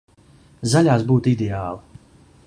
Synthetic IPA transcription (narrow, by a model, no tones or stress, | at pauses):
zaʎʲaːsbuːt̪id̪eaːlˠi